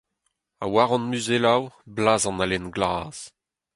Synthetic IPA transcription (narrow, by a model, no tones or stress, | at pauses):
a̰waʁɔ̃nmyzelawblaːzɑ̃nalɛnɡlaːz̥